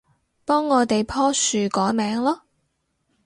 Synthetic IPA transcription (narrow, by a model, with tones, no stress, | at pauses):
pɔː˥ŋːɔː˨˧t̪e˨jpʰɔː˥syː˨˧kɔː˨˥jmɛː˨˥ŋlɔː˥